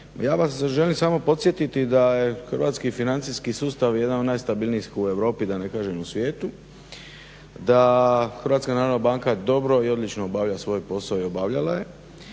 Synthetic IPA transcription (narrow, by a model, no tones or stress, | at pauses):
jaːʋasʒe̞limsaːmo̞po̞t̪sje̞t̪it̪id̪aje̞xrʋaːt̪skifinant̪siskisuːst̪aʋje̞d̪anod̪naːjst̪abilˠniskue̞ʋɾo̞ːpid̪ane̞kaːʒemusʋjeːt̪u | d̪axr̩ʋat̪skanaɾonabaːŋkad̪o̞bɾo̞io̞d̪lit͡ʃnoobaʋʎasʋo̞ːjpo̞saoio̞baʋʎalaje̞